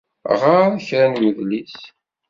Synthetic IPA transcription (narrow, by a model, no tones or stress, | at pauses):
ʁaɾæçɾænwiðlis